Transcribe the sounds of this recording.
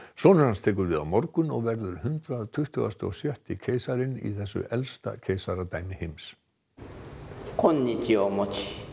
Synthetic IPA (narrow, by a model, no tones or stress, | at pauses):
sɔːnʏɾhanst̪ʰɛːk̬ʏɾvɪːða̰mɔɾkʏnɔ̰ɣvɛɾðʏɾ̥hʏnt̪ɾaðt̪ʰʏht̪ʏɣa̰st̪ʏɔ̰sjœht̪ɪcʰeːjsaɾɪnḭθɛsːʏ̰ʔɛlst̪a̰cʰejsaɾat̪aːjnɪhejms | kʰɔnːiciɔmɔci